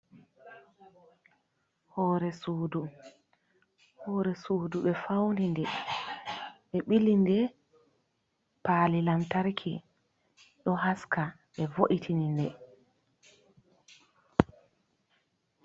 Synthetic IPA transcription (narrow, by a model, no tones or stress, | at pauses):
hɔːɾɛsuːdu | hɔːɾɛsuːduɓɛfawndindɛ | ɓɛɓilindɛ | paːlilamtaɾkʰḭ | ɗɔɦaska | ɓɛvoʔitʰinindɛ